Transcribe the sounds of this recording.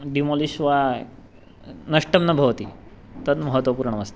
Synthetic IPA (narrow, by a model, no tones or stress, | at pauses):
ɖimoliɕʋa | nɐʂʈəmnɐbʱɐʋt̪i | t̪ət̪məɦət̪ʋəpuɾɳəməst̪e